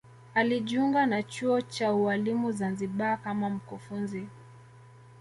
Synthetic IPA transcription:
aliʄiuŋɡanat͡ʃuɔt͡ʃaualimuzanziɓakamam̩kufunzi

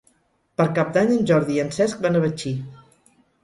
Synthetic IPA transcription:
pəɾkap̚d̪aɲənʲʒɔɾðiənsɛsk̚banəβət͡ʃi

